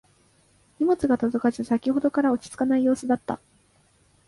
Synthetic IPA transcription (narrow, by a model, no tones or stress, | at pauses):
ɲ̟ʲimo̞t͡sɨɡat̪o̞zo̞kaʑisakʲiɦo̞d̪o̞kaɾao̞t͡ɕi̥t͡sɨ̥kanaijo̞ːsɨd̪at̪ːa̰